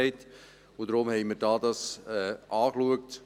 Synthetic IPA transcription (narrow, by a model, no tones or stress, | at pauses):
ɪt | ʊd̥ɾʊmhɛɪməɾdɑːdɑsɛʔɑːkluəkt